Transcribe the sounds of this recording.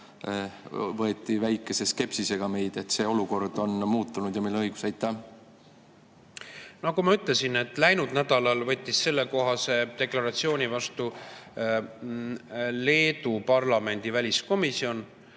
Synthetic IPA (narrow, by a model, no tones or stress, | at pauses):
vɤ̞e̞t̪ːˑivæjkːˑe̞se̞ske̞psise̞ɡ̥ɑme̞jd̪̥e̞t̪se̞o̞luko̞rd̪̥o̞nmuːt̪ːˑunud̪̥jɑmilːɤjɡ̥u̥sɑjt̪ːˑæ | nɑkumɑyt̪le̞sine̞t̪ːˑlæjnud̪̥næd̪ɑlɑlvɤ̞t̪ʲˑːisːe̞lːeko̞ɦɑse̞t̪e̞klɑɾɑt̪sio̞ːnʲivɑst̪u | le̞ːd̪upɑrlɑme̞nʲd̪̥ivælʲisko̞misio̞n